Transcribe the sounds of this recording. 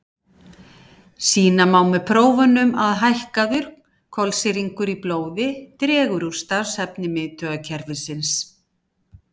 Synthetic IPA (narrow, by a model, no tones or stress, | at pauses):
siːnamaːwmɛðpʰɾoːwvʏnʏmaðɦajhkaðʏɾ | kʰɔlsɪɾiŋkʏɾiploːwðɪt̪ɾɛːɣʏɾuɾ̥st̪ḁshɛpnɪmɪðt̪ʰœːɣacʰɛɾvɪsɪns